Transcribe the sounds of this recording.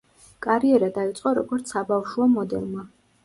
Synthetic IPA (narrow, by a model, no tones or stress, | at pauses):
kʼaɾiɛɾad̪ait̪sʼqʼɔɾɔɡɔɾt̪sʰabafʃuɔmɔd̪ɛ̰lˠma